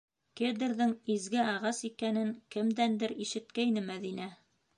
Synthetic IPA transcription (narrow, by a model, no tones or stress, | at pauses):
ked̪ɘ̆ɾðɘŋizɡɘɑʁɑsikænɘŋkɘ̆md̪ænd̪ɘɾiʃɘ̆t̪̚kæjnɘmæðinæ